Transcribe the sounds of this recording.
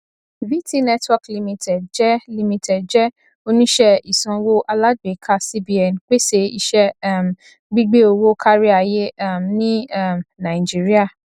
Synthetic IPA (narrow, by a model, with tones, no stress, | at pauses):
bi˦ti˦nɛ˦twɔ˧kli˧mĩ˧tɛ˨dd͡ʒɛ˦li˧mĩ˧tɛ˨dd͡ʒɛ˦ | o˧nĩ˦ʃɛ˦i˨sã˧wo˦ʔa˧la˦dɡ͡be˨kʰa˧si˦bi˨˦ɛ˨n˨k͡pe˦se˧i˧ʃɛ˦m̩˨ | ɡ͡bi˦ɡ͡be˦o˧wo˦kʰa˦ɾi˦a˨je˦a˦˨mnĩ˦mnã˨ĩ˨d͡ʒi˦ɾi˦a˦˨